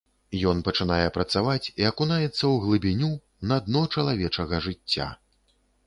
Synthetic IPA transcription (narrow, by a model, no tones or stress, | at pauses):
jɔnpɐt͡ʂɨnajɛpɾɐt̪savat͡sʲiɐkunajɛt̪sːɐwɣlˠɨbʲinʲu | nɐd̪nɔt͡ʂɐlˠavʲɛt͡ʂɐɣɐʐɨt͡sʲːa̰